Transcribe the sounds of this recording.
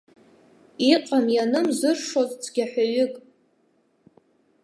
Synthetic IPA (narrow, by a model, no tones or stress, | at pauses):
iqʼamjanɨmzɨrʂozʼt͡sʰɡʲaħʷᶣaɥʏkʼ